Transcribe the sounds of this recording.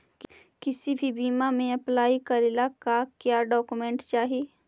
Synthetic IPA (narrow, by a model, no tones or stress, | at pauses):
k | kɪsibʱibiːmamẽɐplaːikɐɾelakakjaːɖɔːkumẽːɳʈt͡ʃaːɦieː